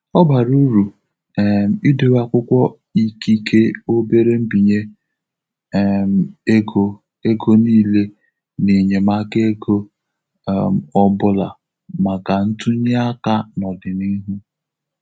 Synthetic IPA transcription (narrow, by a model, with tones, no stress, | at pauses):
ɔ˦ba˨ɾu˦ɾu˨ | m˨i˦de˨wa˦kʷʊ˦kʷɔ˦ | i˦ki˦kʰe˦o˦be˦ɾe˦m̩˦bi˨ɲe˦ | m˨e˦ɡo˨ | e˦ɡo˦niː˦le˦ | ne˨ɲe˨ma˦ke˦ɡo˦˨ | m̩˨ɔ˦bʊ˦la̰˨ | ma˨ka˨n̩˦tu˦ɲe˦a˦ka˦nɔ˨dɪ˨ni˦ɦu˦